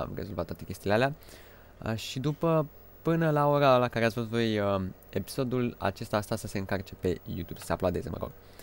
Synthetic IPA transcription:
a̰mrezolvat̪ːwat̪ekʲe̞st̪iːlealea | ʃid̪upə | pɨnəlao̞ɾalakaɾeat̪sfot̪vojə | e̞pi̥so̞d̪ula̰t͡ʃe̞st̪ast̪asəse̞ɨŋkart͡ʃe̞pe̞jṵt̪ub̥sə̥seaplad̪ezə̰mə̰ɾo̰r

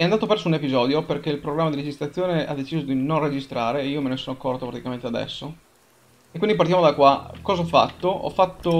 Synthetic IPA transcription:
ɛand̪aːt̪opɛrsounepizɔːd̪joperkeilpɾoɡɾamːad̪iɾed͡ʒist̪ɾat̪sːjoːnea̰d̪et͡ʃiːzod̪inonred͡ʒist̪ɾaːɾeːiːomenesoːnoakːɔrt̪opɾat̪ikament̪ead̪ɛ̰sːo | ekːwind̪ipaɾrt̪jamod̪akwakɔːzaɔfːa̰t̪ːoɔ̰fːat̪ːo

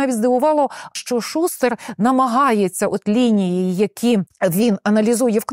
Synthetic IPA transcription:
ɑʋʲitʲzd̪ɪʋʊʋɑlˠɔʃt͡ʃɔʃust̪ernɐmɐɦɑjet͡sʲːɐʔɔt̪lʲinʲijijjɐkʲʰiʋʲinɐnɐlʲizujɛwkn

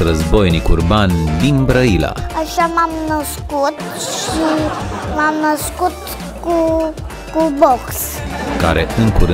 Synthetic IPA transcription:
rəzbo̞jnikurband̪inbɾəila̰aʃamamnəskut̪ | ʃimamnəskut̪ | ku | kuboks | ka̰ɾe̞ʔɨŋkuɾɨ

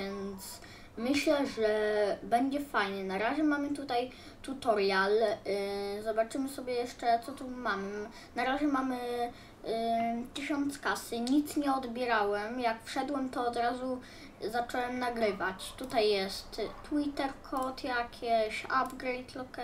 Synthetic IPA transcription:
ɛnt̪s | mɘɕlɛʐɛbɛɲd͡ʑɛfajɲɛnaɾaʑɛmamɘt̪ut̪aj | t̪ut̪ɔɾjal | zɔbat͡ʂɘmɘsɔbʲjɛjɛʂt͡ʂɛt̪sɔt̪umam | naɾaʑɛmamɘ | t̪ɘɕɔnt̪skasɘɲit̪sɲɛɔd̪bʲjɛɾawɛmjakfʂɛd̪wɛmt̪ɔːd̪ɾazu | zat͡ʂɔwɛmnaɡɾɘvat͡ɕt̪ut̪ajːɛst̪ːwit̪ɛɾkʰɔt̪jakʲʰeɕabɡɾɛjt̪lɔkɛ

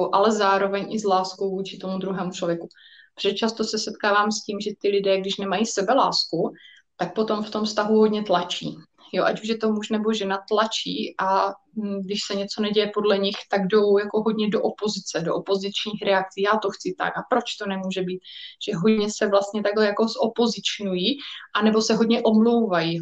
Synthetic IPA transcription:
wʔalɛzaːɾo̞vɛɲʔɪzlaːskowvuːt͡ʃɪt̪o̞mud̪ɾuɦɛːmut͡ʃlo̞vjɛkub̥r̥ɛt͡ʃast̪o̞sɛsɛt̪kaːvaːmsciːmʒɛt̪ɪlɪdɛːɡdɪʃnɛmajisɛbɛla̰ːsku | t̪ak̚po̞t̪o̞mft̪omfst̪aɦuɦo̞dɲɛt̪lat͡ʃḭː | joʔa̰cuʒjɛt̪o̞muʒnɛbo̞ʒɛnat̪lat͡ʃiːʔa | ɡdɪʃsɛɲɛt͡so̞nɛɟɛjɛpo̞dlɛɲɪxt̪aɡdo̞wjako̞ɦo̞dɲɛdo̞ʔopo̞zɪt͡sɛdoʔopo̞zɪt͡ʃɲiːxɾɛak̚t͡siːjaːt̪o̞xt͡sɪt̪a̰kapɾo̞t͡ʃt̪o̞nɛmuːʒɛbiːt̪ʒ̥ɛɦodɲɛsɛvlast̪ɲɛt̪aɡlɛjako̞zʔopo̞zɪt͡ʃnujiːʔanɛbo̞sɛɦodɲɛʔo̞mlo̞wvaji

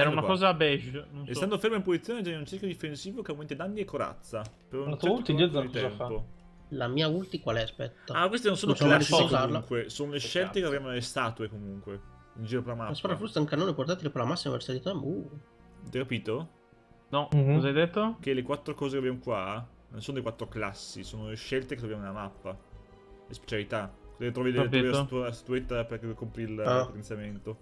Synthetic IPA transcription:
ɛɾunaakɔːzabɛʒnonest̪and̪ofermaimpozit̪sːjoːned͡ʒɛnːunt͡ʃekjod̪ifensiːvokeawment̪ed̪anːiekːoɾa̰t̪sːapeɾɔnut̪id͡ʒɛt̪ɛmapo | lamiːault̪ikwalɛspɛ̰t̪ːaakwest̪enõnsonnosad̪et͡ʃizauzaɾlauŋkwesoːnoleʃːɛlt̪ekeavjamonelːest̪aːt̪uekomuŋkwe | ind͡ʒiːɾoperlamaaspaɾafɾust̪aaŋkanonepoɾt̪at̪elepeɾlamasːima̰peɾst̪ad̪it̪abu | d̪ajkapiːt̪o | nɔozajd̪et̪ːok̟elekwat̪ːɾokɔːzekeabjamokwa | nonsoːnodekwat̪ːɾoklasːisoːnoleʃɛlt̪eket̪ɾobjamonelamapːa | espe̥t͡ʃalit̪akozket̪ːɾɔvileat̪iɔviat̪uast̪at̪uet̪ːaperket̪ukompɾilpːot̪ent̪sjament̪o

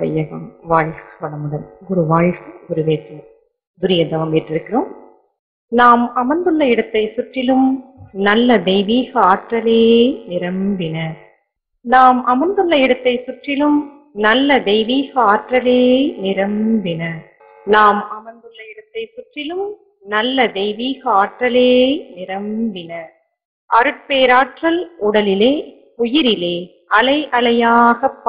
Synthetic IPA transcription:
ʋɐ̰jɐɣɐmʋaːɻsɯ̥pɐɽɐmʊɽɐmɔɾɯʋaːɻsɯʊɾɯʋeːtːɯ | d̪ʊɾɪjɐd̪ɐʋɐmɛʈrɪɾɯkːɪɾoːm | naːmɐmɐnd̪ɯɭːɐɪɽɐt̪ːɐɪsʊʈrɪlɯmnɐlːɐd̪ɛɪʋiːɣɐaːʈrɐleːnɪɾɐmbɪnɐ | naːmʔɐmɐnd̪ɯɭːɐɪɽɐt̪ːɐɪsʊʈrɪlɯm | nɐlːɐd̪ɛɪʋiːɣɐaːʈrɐleːnɪɾɐmbɪnɐ | naːmɐmɐnd̪ɯɭːɐɪɽɐt̪ːɐɪsʊʈrɪlɯm | nɐlːɐd̪ɛɪʋiːɣɐaːʈrɐleːnɪɾɐmbɪnɐ | ʔɐɾɯʈ̚peːɾaːʈrɐlʊɽɐlɪleː | ʊjɪɾɪleː | ʔɐlɐɪʔɐlɐjaːɣɐpː

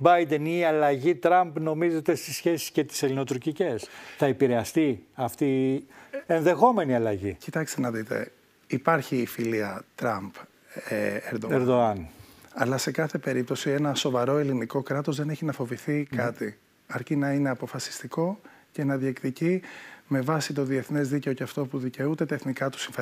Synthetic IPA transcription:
bɐjd̪e̞niɐlɐʝit̪ɾɐmpno̞mize̞t̪e̞st̪isçe̞si̥sce̞t̪i̥se̞lino̞t̪uɾcice̞sθɐepiɾe̞ɐst̪iɐft̪i | e̞nðe̞xo̞me̞niɐlɐʝḭcit̪ɐkst̪enɐðit̪e̞̰ | ipɐɾçiːfiliɐt̪ɾɐmp | eeɾd̪oeɾðoɐnɐlɐse̞kɐθe̞pe̞ɾip̚t̪o̞sie̞nɐso̞vɐɾo̞e̞liniko̞kɾɐt̪o̞zðe̞neçinɐfo̞viθikʰɐt̪i | ɐɾcinɐine̞ɐpo̞fɐsi̥st̪iko̞ce̞nɐðiekt̪icime̞vɐsit̪̬o̞ðie̞θnezðice̞oceɐft̪o̞puðice̞ut̪e̞t̪ɐeθnikɐt̪u̥siɱfe

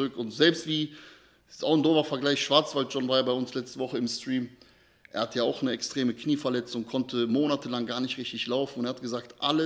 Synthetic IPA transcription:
ʁʏkʊntz̥ɛlpstv̥iː | sʔaʊndoːvɐfɛɐɡlaɪçʃv̥aɐt͡sv̥alt̚ʒ̥ɔnvaːjabaɪʊnslɛt͡stəvɔχəɪmstʁ̥iːm | ʔeːɐhatəjaːaʊxnəɛkstʁ̥eːməkniːfɛɐlɛt͡sʊŋkʰɔntʰəmoːnatʰəlaŋɡaːɐnɪçtʁɪçtɪçlaʊfn̩ʊnteːɐhat̚ɡ̥əzaːk̚tʔalə

